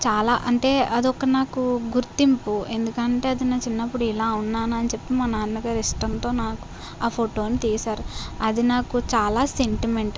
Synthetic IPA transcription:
t͡ʃaːlaːʔɐɳʈe̞ːɐd̪iɔkːɐnaːkuɡuɾt̪impue̞nd̪ukɐɳʈe̞ːɐd̪inaːt͡ʃinːɐpːuɽuilaːunːaːnuɐnit͡ʃe̞pːimɐnaːnnɐɡaːɾiʂʈɐnt̪o̞ːnaːku̥ | aːpʰoːʈo̞ːnit̪iːjɐsaːɾuɐd̪inaːkut͡ʃaːlaːse̞ɳʈime̞ɳʈ

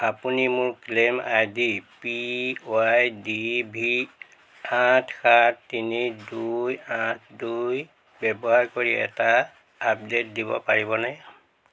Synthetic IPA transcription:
apunimʊɹklema̰jdipioajdibʱi | atʰkattːinidujãtʰduj | bɛbɔɦaɹkoɹiɛ̰taː | p̚det̚dibɔ̰paɹibɔna

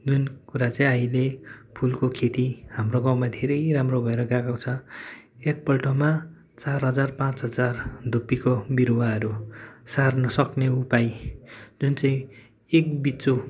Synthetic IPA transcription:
d͡zunkuɾat͡saĩʌjlepʰulkokʰet̪ihamroɡaw̃mad̪ʱeɾʌjramrobʱʌeɾʌɡaɡawt͡sʰʌ | ek̚pʌlʈoma | t͡sarɦʌd͡zarpãt͡sɦʌd͡zard̪ʱupːikobiɾuwaɦʌɾusarnʌsʌkneupajd͡zunt͡saĩ | ek̚bit͡so

